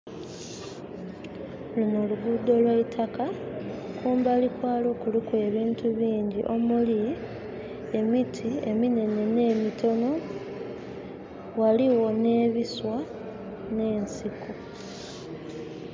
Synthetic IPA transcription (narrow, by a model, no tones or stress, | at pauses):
lino̞luɡudo̞lwaitʰakakuːmbalikwaːlo̞ːkulikwe̞ːβiːntuβiːɲɟḭʔo̞muli | e̞mitʰie̞mine̞ne̞ne̞ːmito̞no̞ | waliwo̞ne̞ːβiswa | ne̞ːnsiku